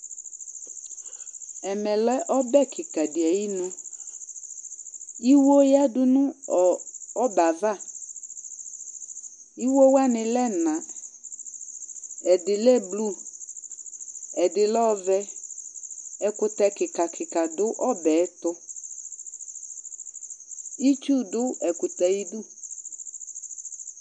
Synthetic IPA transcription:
ɛ˨mɛ˨lɛ˦ʔɔ˦bɛ˦˨kʰɪ˨ka˨dɪ˨ɛ˨ji˦nɔ̃˦ | i˦wo˦ja˦dʊ˦nʊ̃˦ɔ˨ɔ˦ba˨va˦˨ | i˦wo˦wa˦nɪ̃˨lɛ˦nã˨ | ɛ˨dɪ˨lɛ˦blu˦˨ | ɛ˨dɪ˨lɔ˦vɛ˦ | ɛ˨kʊ˨t̪ɛ˨kɪ˨ka˨kʰɪ˨ka˨dʊ˦ʔɔ˦bɛ˨˦t̪ʊ˦ | i˦t͡ʃu˦dʊ˦ɛ˨kʊ˨t̪ɛ˨i˦du˦˨

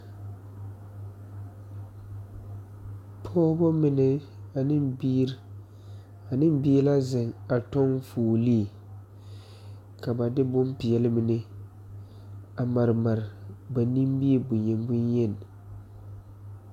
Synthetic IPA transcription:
pʰɔː˦bɔ˦mɪ˨nɪ˨ | a˨nɪ˦bi˦ | a˨nɪ˦mbi˦e˦la˦zɪ˨ŋa˨tɔ˦ŋfuː˨li˦˨ | ka˨ba˨dɪ˦bʊ˦mpi˨ɛ˨lɪ˦mɪ˨nɪ˦ | a˨ma˨ɾɪ˨ma˨ɾɪ˨ba˨ni˦m˦bi˦e˨bʊ˨ɲɛ˨mbʊ˦njɛ˦˨n˨

